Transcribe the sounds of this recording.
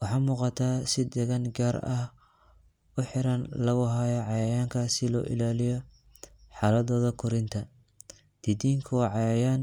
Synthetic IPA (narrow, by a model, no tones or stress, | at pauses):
wɑħɑːmuːqɑt̪ʰaːsɪd̪ɛɣɐnɡaːɾɐh | ʊħɪɾɐnlɐɣʊɦajɐʕɑjɐjaːŋkʰɐsɪlɔ̰ːʔɪ̰laːlɪjɔ | ħɑːlɐðɔːðɐkʰʊɾɪnt̪ʰɐ | d̪̥ɪd̪iːŋkʰʊwɑːʕɑjɐjaːn